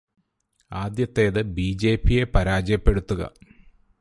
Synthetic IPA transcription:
aːd̪jɐt̪ːe̞ːðɨbiːd͡ʑe̞ːpːije̞pɐɾaːd͡ʑɐjɐpːe̞ɽut̪ːuɣɐ̰

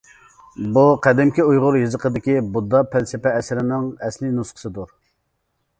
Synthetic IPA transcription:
buqʰæd̪ɪmkʲiujʁʊɾjɨzəqʰəd̪ɪkʲibud̪ːɑpʰælsɪpɛɛsɪɾɪnɪŋɛslɪnusqʰə̥sɨd̪uɾ

